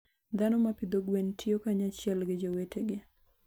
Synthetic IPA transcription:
d̪anomapid̪oɡwentʰiokaɲat͡ʃɛlɡɪd͡ʒowetʰeɡɪ

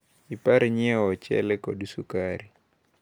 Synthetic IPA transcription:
ipaɾɲɛɔt͡ʃɛ̰lɛkɔdisukaɾi

